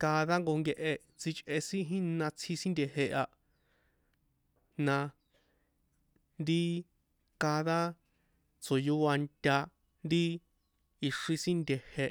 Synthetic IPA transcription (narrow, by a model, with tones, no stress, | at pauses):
kaː˧ða˦ŋɡo˧ŋɡe˧ʔe˧ | t͡si˧t͡ʃʼʔe˧sĩ˦ɦĩ˦nã˧t͡sʰi˧sĩ˦nd̪ʲe˧ɦe˧ʔa˧ | nã˧ | nd̪i˦ | ka˧ða˦ | t͡so˨ju˦a˧nt̪ʲa˧ | nd̪i˦ | i˧ʂĩ˧sĩ˦nd̪ʲe˨he˧